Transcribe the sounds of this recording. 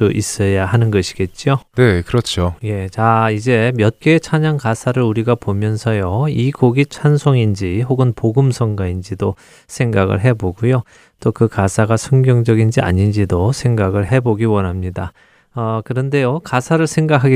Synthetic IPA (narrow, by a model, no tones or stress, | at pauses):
uʔis͈ʌjahanɯnɡʌɕʰi̥ɡe̞t̚t͡ɕ͈ionekɯɾʌt͡ɕʰoje̞t͡ɕaid͡ʑe̞mjʌt̚k͈et͡ɕʰaɲaŋkasʰaɾɯɭuɾiɡapomjʌnsʰʌjoiɡoɡit͡ɕʰansʰoŋind͡ʑihoɡɯnpoɡɯmsʰʌŋɡaind͡ʑido | sʰe̞ŋɡaɡɯ̰ɭɦe̞boɡujo | t͈okɯkasʰaɡasʰʌŋɡjʌŋd͡ʑʌɡind͡ʑia̰ɲind͡ʑidosʰe̞ŋɡaɡɯɭɦe̞boɡiwʌnɦamɲida | ʌkɯɾʌnde̞jokasʰaɾɯɭsʰe̞ŋɡakʰaɡi